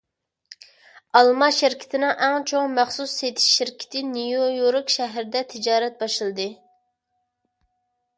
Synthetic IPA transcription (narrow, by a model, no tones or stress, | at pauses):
ɑlˠmɑʃiɾkʲʰi̥t̪ʰɪnɪŋʔæŋt͡ʃʰoŋmæχsuset̪ʰɪ̥ʃːiɾkʲʰɪ̥t̪ʰɪnijojoɾɨkʲʃɛɦɾɪd̪ɛt̪ʰɪd͡ʒɑːɾɛt̪̚bɑʃɨlˠɨd̪ɨ